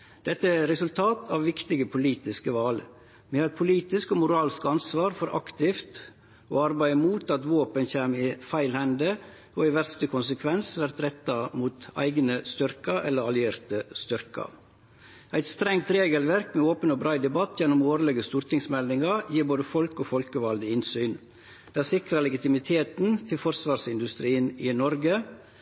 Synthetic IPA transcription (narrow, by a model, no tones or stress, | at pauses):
d̪̥ɛt̪ːəæɾɛsʉlt̪ʰɑːt̪ʰɑʋʋɪkt̪ɪɡəpʰʊliːt̪ɪskəʋɑl | mɛɑɾɛt̪̚pʰʊliːt̪ɪskoːmʊɾɑːlskɑnsʋɑːɾfɔɾʔɑ̰kt̪ɪft̪ | o̰ːɑɾbæɪəmuːt̪ɑt̪ʋoːpənçeːmɪfæɪlhɛnd̪ə | oːɪʋæɾst̪əkʰʊnsəkʰʋɛnsʋæɾt̪ɾɛt̪ːɑmuːt̪æ̰ɪɡnəst̪ʏɾkɑʔɛlːəɾɑlɪeːɾt̪əst̪ʏɾkɑ̰ | æɪt̪st̪ɾɛŋt̪ɾeːɡəlʋæɾkmeːoːpənoːbɾɑːd̪ɛbɑt̪ʰːjɛnːʊmoːɾəlɛɡəst̪uːɾt̪ʰɪŋsmɛld̪ɪŋɑjiːɾboːd̪əfɔlkoːfɔlkəʋɑld̪əɪnsyːn | d̪̥ɛæːsɪkɾɑlɛɡɪt̪ɪmɪt̪ʰeːt̪n̩t̪ʰɪlfɔɾsʋɑːɾsɪnd̪ʉst̪ɾiːənɪnɔɾɡə